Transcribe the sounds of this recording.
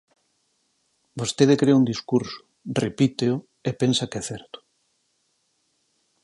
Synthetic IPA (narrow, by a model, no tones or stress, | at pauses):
bost̪eðekɾeaund̪iskuɾsʊ̥ | repit̪eʊ | epensakɛθɛɾt̪ʊ̥